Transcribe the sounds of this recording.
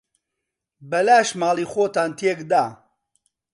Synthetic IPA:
bɐlaːʃmaːliːxoːt̪aːnt̪ʰeːkd̪aː

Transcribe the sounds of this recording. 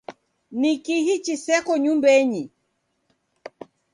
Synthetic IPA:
nikiɦit͡ʃisɛkɔɲumbɛɲi

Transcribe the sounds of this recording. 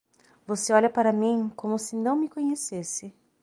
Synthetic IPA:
voseɔʎɐpaɾɐmĩkõmʊsɪnɐ̃w̃mɪkõɲesesɪ

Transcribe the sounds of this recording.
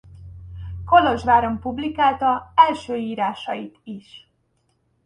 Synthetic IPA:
ko̞lo̞ʒvaːɾo̞mpublikaːlt̪ɒɛlʃøːiːɾaːʃɒjit̪iʃ

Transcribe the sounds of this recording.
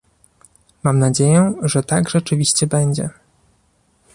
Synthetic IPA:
mamnad͡ʑejɛʐɛt̪aɡʐɛt͡ʂɘvʲiɕt͡ɕɛbɛɲd͡ʑɛ̰

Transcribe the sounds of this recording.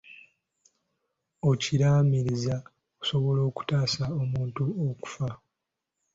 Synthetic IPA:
ociɾaːmiɾiza | ku̥so̞βo̞lo̞ːku̥taːsaomuːntuoku̥fa

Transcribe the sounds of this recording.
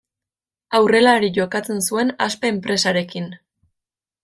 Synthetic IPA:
awre̞laɾiʝo̞kat͡se̞nsue̞naspe̞ːmpɾe̞saɾe̞kin

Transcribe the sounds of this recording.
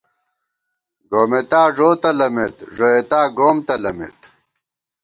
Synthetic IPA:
ɡoːmet̪aːʐoːt̪ɐlɐmet̪ʐoet̪aːɡoːmt̪ɐlɐmḛt̪

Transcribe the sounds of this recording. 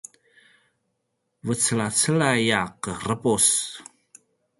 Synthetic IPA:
vət͡səlat͡səlajaqərəpus

